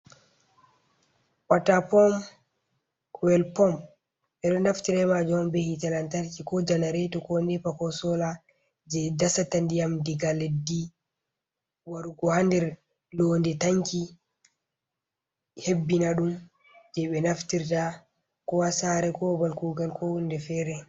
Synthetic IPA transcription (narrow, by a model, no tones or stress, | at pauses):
watːapɔm | wɛlpɔm | ɓɛɗɔnaftiɾɛmad͡ʒɔnbɛhitalantaɾkikɔd͡ʒanaɾɛtɔkɔnipakɔsɔla | d͡ʒɛdasatandijamdiɡaledːi | waɾuɡɔhandɛɾ | londɛtaŋki | hebːinaɗum | d͡ʒɛɓɛnaftiɾta | kɔwasaɾɛkɔbalkuɡalkɔwundɛfɛɾɛ